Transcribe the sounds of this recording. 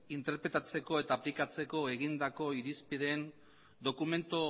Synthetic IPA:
int̪e̞ɾpɾe̞t̪at͡se̞ko̞e̞t̪aːplikat͡se̞ko̞e̞ɣind̪ako̞iɾispiðen | d̪o̞kume̞nt̪o

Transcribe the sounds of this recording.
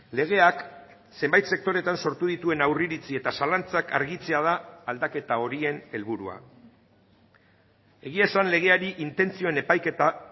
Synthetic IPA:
le̞ɣ̞e̞ak | se̞mbajt̪se̞k̚t̪o̞ɾe̞t̪anso̞ɾt̪uðit̪ue̞nawriɾit͡sie̞t̪asalant͡saka̰ɾɣit͡se̞að̞aːld̪ake̞t̪ao̞ɾie̞ne̞lβuɾua̰ | e̞ɣ̞iesanle̞ɣ̞e̞aɾiʔint̪e̞nt͡sio̞ene̞pajke̞t̪a

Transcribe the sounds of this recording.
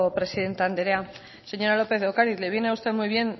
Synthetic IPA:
pɾe̞siðe̞nt̪aand̪eɾea | se̞ɲo̞ɾalo̞pe̞θokaɾiðleβjeneaust̪emujβje̞n

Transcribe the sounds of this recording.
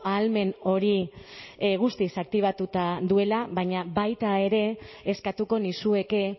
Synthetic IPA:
alme̞no̞ɾi | ɣust̪isak̚t̪iβat̪ut̪ad̪ue̞laβaɲabajt̪ae̞ɾe̞ːskat̪uko̞nisue̞ke̞

